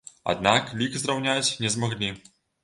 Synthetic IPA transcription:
a̰d̪naklʲikzrawnʲat͡sʲnʲɛzmaɣlʲi

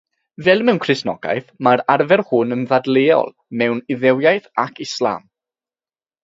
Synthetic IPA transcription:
vɛlˠmɛwnkʰrɪsnɔ̰ɡa̰jθmaɾarvɛrhʊnənðadleːɔ̰lˠ | mɛwnɪðɛwjajθakʰɪslˠa̰m

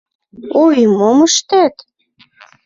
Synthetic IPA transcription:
ojmoməʃt̪æt̪

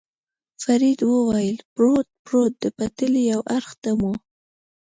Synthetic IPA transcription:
faɾid̪wəwajəlpɾot̪̚pɾot̪̚d̪əpat̪əlijawʔaɾxt̪amu

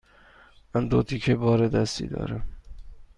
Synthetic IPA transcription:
mænd̪ot̪ʰikʰebɒːɾed̪æst̪ḭːd̪ɒ̰ːɾæm

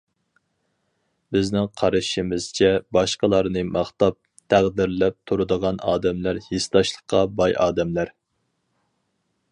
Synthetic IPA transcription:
bɪznɪŋqʰɑɾɨʃimɪz̥t͡ʃʰɛbɑʃqəlˠɑɾnɨmɑχt̪ɑp̚ | t̪ʰæʁd̪ɪɾlɛp̚t̪ʰuɾɨd̪əʁɑnɑːd̪ɛmlæɾhest̪ɑʃlˠəχqʰːɑbɑjʔɑːd̪ɛmlæɾ

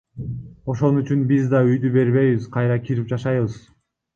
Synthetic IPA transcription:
o̞ʃo̞nyt͡ʃynbizd̪ɑyjd̪ybe̞ɾβe̞jβiz̥qʰɑjɾɑkʲʰiɾip̚d͡ʒɑʃɑjβɯz̥

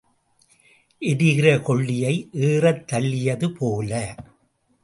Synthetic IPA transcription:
ʔɪɾɯɣɪɾɐkɔɭːɪjɐɪʔeːrɐt̪ːɐɭːɪjɐðɯpʰoːlɐ

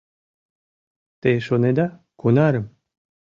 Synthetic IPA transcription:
t̪eʃoned̪a | kunaɾəm

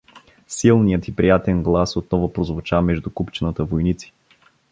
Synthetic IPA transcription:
silˠnijət̪ipɾijat̪ɛnɡlˠasot̪̚nɔvopɾozvʊt͡ʃamɛʒd̪ukupt͡ʃɛnət̪əvojnit̪si̥

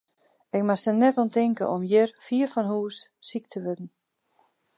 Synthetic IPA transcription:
ɪk̚masənnɛtɔntɪŋkə̰ʔɔmjɪrfiəfɔnɦuːsːik̚tʰəʋødn̩

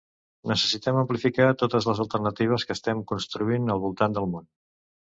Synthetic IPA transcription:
nəsəsit̪ɛməmplifikat̪ot̪əzləzəlˠt̪ərnət̪iβ̞əskəːst̪ɛmkunst̪ɾuinəlˠβulˠt̪and̪əlˠmon

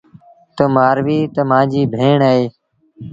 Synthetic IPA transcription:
t̪əmaːɾʋiːt̪əmãːd͡ʒiːbʱeːɳaːeː

